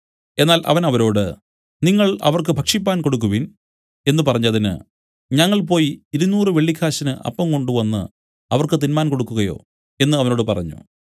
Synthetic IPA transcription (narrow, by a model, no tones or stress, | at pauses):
e̞nːaːlʔɐ̰ʋɐnɐʋɐɾo̞ːɽɨ̰ | niŋːɐɭɐ̰ʋɐrkɨbʱɐkʂipːaːnko̞ɽuk̬ːuʋin | e̞nːɨpɐrɐɲːɐðinɨ̰ | ɲɐŋːɐɭp̬o̞ːjiiɾunuːrɨʋe̞ɭːikʰːaːɕɐnɨʔɐ̰pːɐmko̞ɳɖuʋɐnːɨ̰ | ɐʋɐrkɨt̪inmaːnko̞ɽukːuɣɐjo̞̰ː | e̞nːɨɐʋɐno̞ːɽɨpɐrɐ̰ɲːṵ